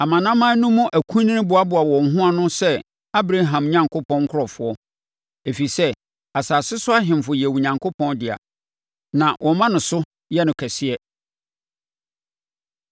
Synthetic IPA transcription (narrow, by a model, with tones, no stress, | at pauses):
a˨mã˨nã˦mːã˦nʊ̃˦mũ˦ʔæ˨kʰũ˦nĩ˦bʊ˨a˦bʊ˨a˨wɔ̃˨ŋ̩˨ɦʊ̃˦a˨nʊ̃˦sɛ˦ | a˦bɾa˦ɦã˨m˨ɲã˨ŋkʰʊ˦pʰɔ̃˦ŋ˦kʰʊ˦ɾɔ˨fʊ˨˦ɔ˦ | e˨fi˨sɛ˦ | a˨saː˨sɪ˦sʊ˦a˦ɦɪ̃˨m˨fʊ˨jɛ˨wu˨ɲã˨ŋkʰʊ˦pʰɔ̃˦ndɪ˨a̰˨ | nã˨wʔɔ˨mã˦nʊ̃˨sʊ˦ | jɛ˦nʊ̃˨kʰæ˨sɪ˦ɛ˦